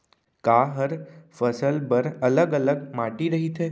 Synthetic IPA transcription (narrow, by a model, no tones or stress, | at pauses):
kaːɦəɾfəsəlbəɾɐləɡɐləɡmaːʈiɾɐɦit̪ʰeː